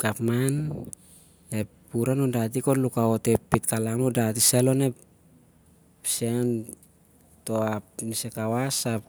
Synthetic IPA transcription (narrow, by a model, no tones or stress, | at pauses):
kapman | e | puɾanundat̬iko̞lukaotepːitkalanodatiselo̞ne̞ | psen | to̞apnisekawasap